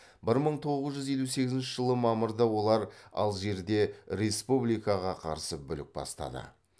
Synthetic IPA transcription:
bɪɾməɴt̪ʰo̞ʁəzʒʏzje̞luse̞ɡʲɪzɪnʃɪʒəlˠəmɑməɾd̪ɑwo̞lˠɑɾɑ̰lˠʒe̞ɾd̪e̞ɾe̞spublijkaʁɑqʰɑ̰ɾsəbʏlɪk̚bɑ̰st̪ɑ̰d̪ə̰

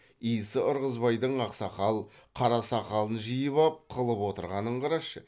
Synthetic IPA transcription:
ijsəʔʊɾʁəzbɑjd̪əɴɑqsɑqɑlˠqʰɑɾɑsɑqɑlˠənʒijəβɑp̚qʰəlˠəpwo̞t̪əɾʁɑnəɴqʰɑɾɑʃːə

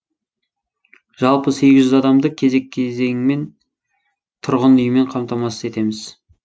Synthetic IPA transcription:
ʒ̥ɑlˠpəse̞ɡʲɪʒʒːʏzɑd̪ɑmd̪əkʲʰe̞ze̞kʲʰːeze̞ŋme̞n | t̪ʰʊɾʁənʏjɪme̞ɴqʰɑmt̪ɑmɑsəze̞t̪e̞mɪz

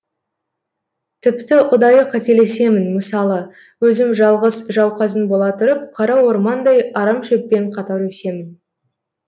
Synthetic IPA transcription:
t̪ʰɪpt̪ɪʊd̪ɑjəqʰɑt̪e̞le̞se̞mɪnməsɑlˠə | wɵzɪmʒɑlˠʁəzʒɑwqɑzənbo̞lˠɑt̪ʰʊɾəp̚qʰɑɾɑwo̞ɾmɑnd̪ɑjɑɾɑmʃɵp̚ːe̞ɴqʰɑt̪ɑɾwɵse̞mɪn

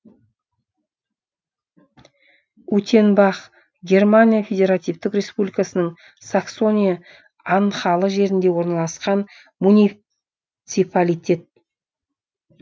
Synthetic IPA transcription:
ut̪ʲe̞nbɑχ | ɡʲe̞rmanʲijafʲe̞dʲe̞ɾat̪ijft̪ɪkrʲe̞spublʲijkasənəɴ | sakso̞nʲija | ɑɴχɑlˠəʒe̞ɾɪnd̪e̞wo̞ɾnɑlˠɑsqɑn | munʲi | t̪sɨpalʲijtʲʰe̞t̪̚

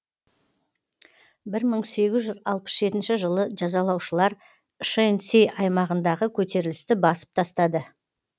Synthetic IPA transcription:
bɪɾməɴse̞ɡʲɪzʒʏzɑlˠpə̥sʒe̞t̪ɪnʃɪʒəlˠəʒɑzɑlˠɑwʃəlˠɑɾ | ʃensejʔɑjmɑʁənd̪ɑʁəkʲʰɵt̪e̞ɾɪlɪst̪ɪbɑsə̥p̚t̪ʰɑst̪ɑd̪ə

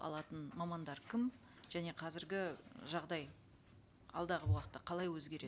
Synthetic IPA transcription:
ɑ̰lˠɑt̪ənmɑmɑnd̪ɑɾkʲʰɪm | ʒ̥æne̞qʰɑzɪɾɡʲɪʒɑʁd̪ɑj | ɑ̰lˠd̪ɑʁəwɑqət̪ːəqʰɑlˠɑjwɵzɡʲe̞ɾe̞

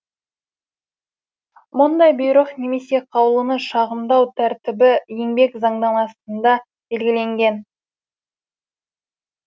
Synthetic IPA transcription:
mʊnd̪ɑjbojɾəqne̞me̞se̞qʰɑwlˠənəʃɑʁəmd̪ɑwt̪ʰæɾt̪ɪbɪje̞ŋbe̞kzɑɴd̪ɑnɑst̪ənd̪ɑ | b̥e̞lɡʲɪle̞ŋɡʲe̞n

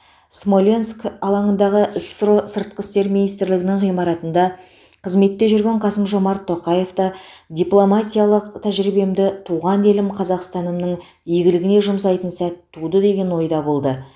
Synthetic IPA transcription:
smo̞lʲenskɑlˠɑɴənd̪ɑʁəʔɪsɾosəɾt̪̚qəst̪e̞ɾminijst̪ɪɾlɪɡʲɪnɪɴʁijmɑɾɑt̪ənd̪ɑ | qʰəzme̞t̪ːe̞ʒʏɾɡʲe̞ɴqʰɑsəmʒo̞mɑɾt̪ʰːo̞qɑje̞ft̪ɑd̪ʲijplˠo̞mat̪ʲijalˠəqt̪ʰæʒɾibe̞md̪ɪt̪ʰuʁɑne̞lɪmqʰɑzɑqst̪ɑnəmnəɴ | jeɡʲɪlɪɡʲɪne̞ʒʊmsɑjt̪ənsæt̪ʰːud̪əd̪e̞ɡʲe̞nwo̞jd̪ɑbo̞lˠd̪ə

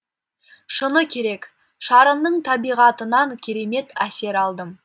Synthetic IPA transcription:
ʃənəkʲʰe̞ɾe̞k | ʃɑɾəmd̪əɴt̪ʰɑbijʁɑt̪ənɑŋkʲʰe̞ɾe̞me̞t̪æse̞ɾɑlˠd̪əm

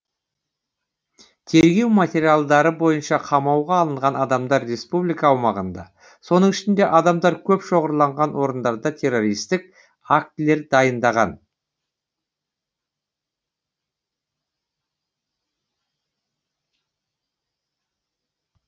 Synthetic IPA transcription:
t̪ʰe̞ɾɡʲe̞wmat̪ʲe̞ɾijalˠd̪ɑɾəbo̞jənʃɑqʰɑmɑwʁɑːlˠəɴʁɑnɑd̪ɑmd̪ɑɾːe̞spublijkɑːwmɑʁənd̪ɑ̰ | so̞nəɴɪʃɪnd̪e̞ʔɑd̪ɑmd̪ɑɾkʲʰɵpʃo̞ʁəɾlˠɑɴʁɑnwo̞ɾənd̪ɑɾd̪ɑt̪ʰe̞ɾo̞ɾijst̪ɪk̚ | akt̪ɪle̞ɾd̪ɑjənd̪ɑʁɑ̰n

